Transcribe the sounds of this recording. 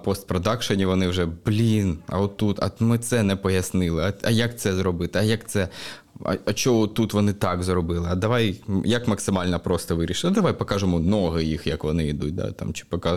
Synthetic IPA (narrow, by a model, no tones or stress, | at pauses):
pɔst̪̚pɾɔd̪ɑkʃɔnʲiʋɔnɪwʒɛblʲinɐ̰ɔt̪ːut̪ɐ̰mɪt̪sɛnɛpɔjɐsnɪlˠɪɐɐjɐk̚t̪sɛzɾɔbɪt̪ɪɐjɐkt̪sɛ | ɐ̰ɐt͡ʃɔɔt̪ːut̪ʋɔnɪt̪ɑɡzrɔbɪlˠɪɐd̪ɐʋɑjjɐkmɐksɪmɑlʲnɐpɾɔst̪ɔʋɪɾʲiʃɪlˠɪd̪ɐʋajpɔkɑʒʊmɔnɔɦɪjixjɐkʋɔnɪid̪ut̚ʲd̪ɑ̰t̪ɑ̰mt͡ʃɪ̥pɔkɑ